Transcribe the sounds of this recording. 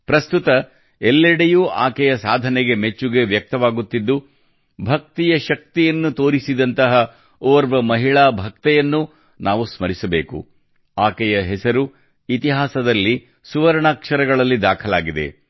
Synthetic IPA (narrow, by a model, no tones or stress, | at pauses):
pɾɐst̪ut̪ɐ | ɛlːɛɽejuʔa̰ːkɛjɐsaːd̪ʱɐnɛɡe̞me̞t͡ʃːuɡe̞ʋjɐk̚t̪ɐʋaːɡut̪ːid̪ːu | bʱɐk̚t̪ijɐʃɐk̚t̪ijɐnːut̪o̞ːɾisid̪ɐnt̪ɐɦɐ | oːɾʋɐmɐɦiɭaːbʱɐk̚t̪ɛjɐnːu | nʔaːʋusmɐɾisɐbeːkṵ | aːkɛjɐɦɛsɐɾu | it̪iɦaːsɐd̪ɐlːi | suʋɐɾɳaːkʂɐɾɐɡɐɭɐlːid̪aːkʰɐlaːɡid̪e̞̰